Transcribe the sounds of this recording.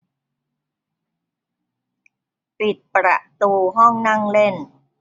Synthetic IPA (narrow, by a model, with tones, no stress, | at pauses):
pi˨˩t̪̚pɾa̰˨˩ʔt̪uː˧ɦɔ˥˩ŋna˥˩ŋle˥˩n